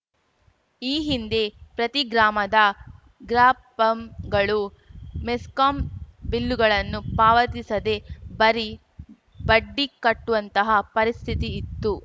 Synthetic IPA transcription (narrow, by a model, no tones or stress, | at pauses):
iːɦind̪e̞pɾɐt̪iɡɾaːmɐd̪ɐ | ɡɾaːpɐmɡɐɭu | meskaːmbilːuɡɐɭɐnːupaːʋɐt̪isɐd̪e̞bɐɾi | bɐɖːikɐʈːuʋɐnt̪ɐɦɐpɐɾist̪ʰit̪iːt̪ːu